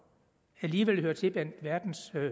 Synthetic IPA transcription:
æliːʋel̰høɐt͡sʰe̝b̥æn̰d̥ʋæɐd̥n̩s

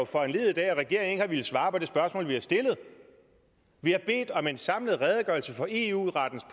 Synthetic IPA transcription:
fɒ̽enle̝ːð̞̩ˠd̥ɛ̰ːæʁɛɡ̥e̝ɐeŋeŋhɑ̈ʋil̩sʋɑ̈ːpʰɒ̽d̥e̝sb̥ɶɐsmɔ̰̽ːlʋihɑɐsd̥e̝lð̞̩ˠ | ʋihɑ̈b̥e̝̰ːd̥ɒ̽me̝nsɑ̈mləð̞̩ˠʁɛːð̞ˠɡ̥ɶɐːlsəfɒ̽ʔe̝ṵʁɑd̥n̩spʰ

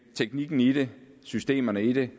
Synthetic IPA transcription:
t͡sʰeɡ̥niɡ̥n̩id̥e | sysd̥e̝̰ːmɐnəiɾ̥e

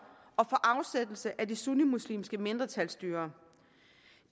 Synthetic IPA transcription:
ɒ̽fɒ̽ʔɑ̈ʊsed̥l̩səʔædisunimuslḭːmsɡ̥əme̝nd̥ʁɐt͡sʰælsd̥yːɐ

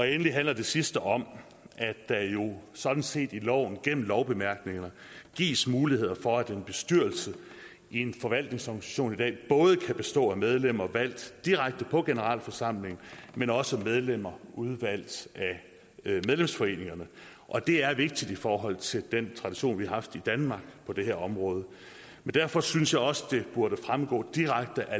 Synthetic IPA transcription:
ɒ̽enəliɦænlɐd̥e̝sisd̥əʔɒ̽m | ʔædd̥æjo̝sɒ̽d̥n̩se̝̰ːd̥ilɒʊ̰n̩ɡ̥em̰m̩lɒʊb̥e̝mæɐɡ̥ne̝ŋɐə | ɡ̥ḭːsmuːlihe̝ð̞̰ˠɐfɒ̽æd̥enb̥e̝sd̥yɐ̰lsə | ie̝nfɒ̽ʋæl̰d̥ne̝ŋsɒɡ̥nisæ̥ɕo̝̰ːnid̥ɛ̰ːb̥ɔ̽ːð̞ˠəkʰæb̥e̝sd̥ɔ̰̽ːæmeð̞ˠlem̰ɐʋæl̰d̥d̥iʁaɡ̥̚d̥əpʰɒ̽ɡ̥e̝nəʁɑ̰̈ːl̰fɒ̽sɑ̈m̰le̝ŋmenɒ̽səmeð̞ˠlem̰ɐʔuð̞ˠʋæl̰d̥æ | meðˠlemsfɒ̽e̝̰ːne̝ŋɐnə | ʔɒ̽d̥e̝æɐʋe̝ɡ̥̚d̥id̥ifɒːɦɒ̽l̰t͡sʰe̝ld̥ent͡sʰʁɑ̈d̥iɕo̝̰ːnʋihɑ̈hɑ̈fd̥id̥ænmɑ̈ːɡ̥pʰɒ̽d̥e̝ɦeɐ̰ɒ̽mʁɔ̽ːð̞ˠə | mend̥æɐfɒ̽synsjɑ̈ɪɒ̽səd̥e̝b̥uɐɾəfʁamɡ̥ɔ̰̽ːd̥iʁaɡ̥̚d̥əʔæ

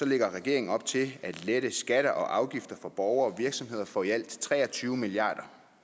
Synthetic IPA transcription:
sɒ̽leɡ̥ɐʁɛɡ̥e̝ɐeŋn̩ɒ̽b̥t͡sʰe̝læd̥leɾ̥əsɡ̥æɾɐʔɒ̽ʔɑ̈ʊɡ̥ifd̥ɐfɒ̽b̥ɒʊɐɒ̽ʋiɐɡ̥sɒ̽mhe̝ð̞̰ˠɐfɒ̰ːiæl̰d̥t͡sʰʁɛ̰ːɒ̽t͡sʰyːʊəmiliɑ̰̈ːd̥ɐ

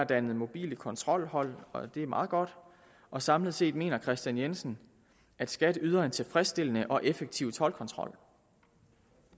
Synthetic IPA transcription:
d̥ænð̩ˠmo̝b̥ḭːləkʰɒ̽nt͡sʰʁɒ̽l̰hɒ̽l̰ɒ̽d̥e̝æɐmɑ̈ːð̞̩ˠɡ̥ɒ̽d̥ | ɒ̽sɑ̈mləð̩ˠse̝̰ːd̥me̝̰ːnɐkʰʁɛsd̥jænjensn̩ | æd̥sɡ̥æd̥yːð̞ˠɐent͡sʰe̝fʁɛsd̥e̝l̰ənəʔɒ̽ʔefeɡ̥̚t͡sʰiʊt͡sʰɒ̽lkʰɒ̽nt͡sʰʁɒ̽l̰

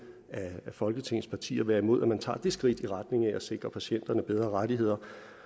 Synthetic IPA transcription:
æːfɒ̽lɡ̥ət͡sʰe̝ŋ̰n̩spʰɑ̈t͡sʰḭːɐʋæɐimo̝ð̞̰ˠæmænt͡sʰɑ̰̈ːd̥e̝sɡ̥ʁid̥iʁɑ̈d̥ne̝ŋæʔæse̝ɡ̥ʁɐpʰæɕien̰d̥ɐnəb̥eð̞ˠʁɐʁɑdiɦe̝ð̰ˠɐ

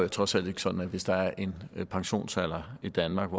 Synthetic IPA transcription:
jæt͡sʰʁɒ̽sæl̰d̥e̝ɡ̥ə̥sɒ̽d̥n̩æʋe̝sd̥ɑ̈æɐʔe̝npʰɑ̈ŋɕo̝̰ːnsæl̰ɐid̥ænmɑ̈ːɡ̥ɒ

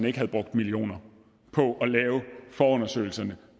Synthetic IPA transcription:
nəe̝ɡ̥ɦæð̩ˠb̥ʁɔ̽ɡ̥̚d̥milio̝̰ːnɐ | pʰɒ̽ʔɒ̽lɛːʊfɒːɔ̽nɐsø̰ːɪl̩sɐnə

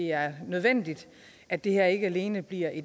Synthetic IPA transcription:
e̝æɐnøð̞ˠʋen̰d̥id̥ | ʔæd̥e̝heɐe̝ɡ̥əæle̝ːnəb̥liɐ̰ʔe̝

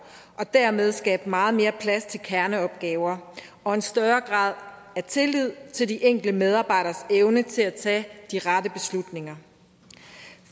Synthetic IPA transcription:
ʔɒ̽d̥æɐ̰með̞ˠsɡ̥ɛ̰ːb̥mɑ̈ːð̞̩ˠme̝ːɐpʰlæst͡sʰe̝lkʰæɐnəɒ̽b̥̚ɡ̥ɛːʊɐ | ʔɒ̽e̝nsd̥ɶɐɡ̥ʁɑ̈ːð̞̰ˠ | æɐt͡sʰe̝lið̰ˠt͡sʰe̝ld̥iʔeŋ̰ɡ̥l̩əmeð̞ˠɑ̈ːb̥ɑ̈ɪɾɐseʊnət͡sʰe̝læt͡sʰɛ̰ːd̥iʁɑ̈d̥əb̥e̝slud̥ne̝ŋɐ

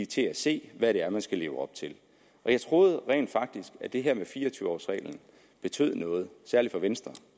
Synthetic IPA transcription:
t͡sʰe̝æse̝̰ːʋæɾe̝æɐmænsɡ̥æle̝ːʊɒ̽b̥̚t͡sʰe̝l | ʔɒ̽jɑ̈ɪt͡sʰʁo̝ːð̞̩ˠʁɛ̰ːnd̥fɑ̈ɡ̥̚d̥isɡ̥æd̥e̝ɦæɐmefiːɐɒt͡sʰyːʊɒ̰ːsʁɛ̰ːɪln̩ | b̥e̝t͡sʰø̰ð̰ˠnɔ̽ːð̞̩ˠsæɐlid̥fɒ̽ʋensd̥ʁɐ

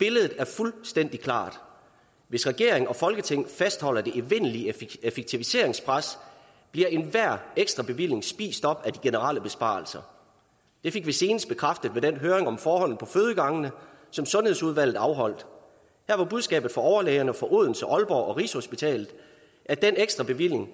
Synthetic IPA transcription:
b̥e̝ləð̞̩ˠð̩ˠæɐfulsd̥en̰d̥ikʰlɑ̰̈ːd̥ | ʋe̝sʁɛɡ̥e̝ɐeŋɒ̽fɒ̽lɡ̥ət͡sʰeŋ̰fæsd̥hɒ̽l̰ɐd̥e̝ʔiʋe̝n̰liefeɡ̥̚t͡sʰiʋise̝ɐe̝ŋspʰʁas | b̥liɐe̝nʋæɐ̰eɡ̥sd̥ʁɑ̈b̥e̝ʋil̰e̝ŋsb̥ḭːsd̥ɒ̽b̥æd̥iɡ̥e̝nəʁɑ̰ːləb̥e̝sb̥ɑ̰̈ːl̩sɐ | d̥e̝fe̝ɡ̥ʋise̝ːnəsd̥̚b̥e̝kʰʁafd̥əð̩ˠʋed̥enɦøːɐʁe̝ŋɒ̽mfɒːhɒ̽n̰ð̩ˠpʰɒ̽føð̞ˠəɡ̥ɑ̈ŋənəsɒ̽msɔ̽nhe̝ð̞̰ˠsuð̞ˠʋæl̰ð̩ˠɑ̈ʊɦɒ̽l̰d̥ | hæɐʋɑ̈b̥uð̞ˠsɡ̥ɛ̰ːb̥ð̩ˠfɒ̽ɒʊɐlɛːɪɐnəfɒ̽ʔoð̞̰ˠn̩səʔɒ̽lb̥ɒːɒ̽ʁḭːsho̝sb̥it͡sʰɛ̰ːlð̩ˠ | ʔæd̥eneɡ̥sd̥ʁɑ̈b̥e̝ʋil̰e̝ŋ

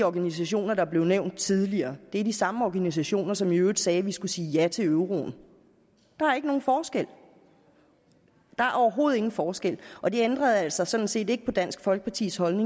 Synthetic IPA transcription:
ɒɡ̥ænis̬æɕo̝̰ːnɐɾ̥ɑ̈æb̥le̝ʊneʊ̰nd̥̚t͡sʰið̞ˠliɐːd̥e̝æɐd̥isɑ̈məɒɡ̥ænis̬æɕo̝̰ːnɐsɒ̽miø̥ːsɛːʋisɡ̥usiːjæt͡sʰe̝øʊʁo̝̰ːn̩ | d̥ɑ̈æɐe̝ɡ̥əno̝ːn̩fɒːsɡ̥el̰ | d̥ɑ̈æɐʔɒʊɐɦo̝ːð̞̩ˠe̝ŋn̩fɒːsɡ̥el̰ʔɒ̽d̥e̝end̥ʁɐð̞̩ˠæl̰sɑ̈sɒ̽d̥n̩se̝̰ːde̝ɡ̥əpʰɒ̽d̥æn̰sɡ̥fɒ̽lɡ̥ə̥pʰɑ̈t͡sʰḭːshɒ̽lne̝ŋ

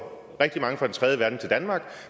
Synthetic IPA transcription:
ʁɛɡ̥̚d̥imɑ̈ŋəfʁɑ̈dent͡sʰʁɛðˠjəʋæɐd̥n̩t͡sʰe̝ld̥ænmɑ̈ːɡ̥

